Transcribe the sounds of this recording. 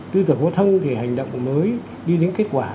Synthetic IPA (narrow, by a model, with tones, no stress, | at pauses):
t̪ɨ˧t̪ɨ˨˧˩ho˨˦t̪ʰə˧nt̪ʰi˨˩ha˨˩jŋ̟ɗə̰˧˨wŋ͡mməː˨˦j | ɗi˧ɗe˨˦nke˦˥t̚kwaː˧˩